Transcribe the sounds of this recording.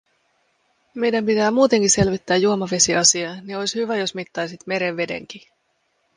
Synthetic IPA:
me̞jdæmpit̪æːmuːt̪e̞ŋkise̞lʋit̪ːæːjːuo̞mɑʋe̞siɑsiɑːnio̞jshyʋæjo̞smit̪ːɑjsit̪me̞ɾeʋʋe̞de̞̰ŋk̟i

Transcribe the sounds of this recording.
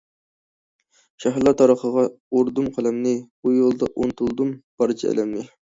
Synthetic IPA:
ʃæɦɾlˠɑt̪ʰɑɾəχəʁɑ | oɾd̪umqʰælɛmnɪbujolˠd̪ɑʔont̪ʰulˠd̪umb̥ɑɾt͡ʃʰiɛ̰lɛmnɪ

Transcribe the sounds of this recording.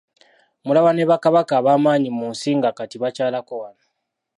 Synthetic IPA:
mulaβane̞βakaβakaːβaːmaːɲimunsiːŋɡakatiβacaːlakowano

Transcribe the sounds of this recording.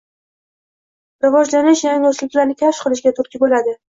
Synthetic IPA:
ɾɪvɒd͡ʒlanɪʃjaŋoslɪkʲlaɾnɪkʲʰaʃqʰɨlˠɪʃ̬ɡʲat̪ʰʊɾkʲɪbolad̪ɪ

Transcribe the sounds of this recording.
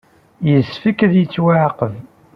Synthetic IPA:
jəsfəkːəðjət͡sːwaʕqəv

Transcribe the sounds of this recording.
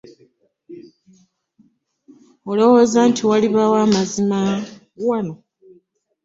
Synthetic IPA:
olo̞wo̞zantʰiwaliβawaːmazima | wano̞

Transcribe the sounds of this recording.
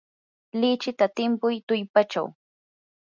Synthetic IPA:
lɪt͡ʃɪt̪at̪ɪmpʊjt̪ʊjpat͡ʃa̰w

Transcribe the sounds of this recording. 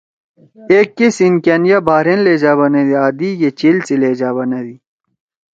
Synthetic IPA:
eːkːesinkɐnjabaːɾenleːd͡ʑaːβɐned̪iaːd̪ijet͡ɕilt͡sileːd͡ʑaβɐnɐd̪i

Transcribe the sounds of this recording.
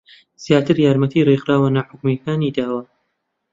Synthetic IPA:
z̥jaːt̪ʰɨɾjaːɾmɐt̪ʰiriqɾaːwɐnaħʊkmikaːnid̪aːwɐ

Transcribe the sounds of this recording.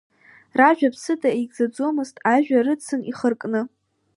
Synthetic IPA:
raʒᶣapʰsɨdʼaeɡzad͡zo̞mɨztʼaʒᶣarɨt͡sʰɨniχərkʼnɨ

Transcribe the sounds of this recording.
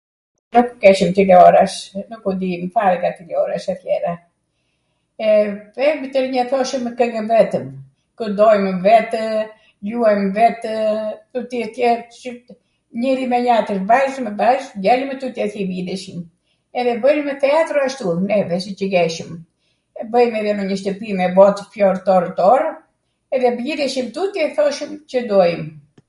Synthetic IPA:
nukukɛʃəmt̪ilɔɾaʃnukud̪imfaɾɡat̪ilɔɾaʃat̪jɛɾa | ɛvɛmət̪əɾɲɛθɔʃəməkəŋɡənvɛt̪əm | kud̪ɔjmvɛt̪ | luajmvɛt̪t̪ut̪iɛt̪jɛɾt͡ʃə | ɲɛɾimɛɲat̪əʃbaʒmɛbaʒɡɛlimɛt̪ut̪jɛθibid̪ɛʃim | ɛðɛbəlmɛt̪ɛat̪ɾɔaʃt̪unɛvɛsit͡ʃəɡɛʃəm | ɛbəjmɛɾɛnəɲəʃt̪əpimɛbɔt̪fjɔɾt̪ɔɾt̪ɔɾ | ɛðɛbjid̪ɛʃimt̪ut̪jɛθɔʃəmcəd̪ɔjm

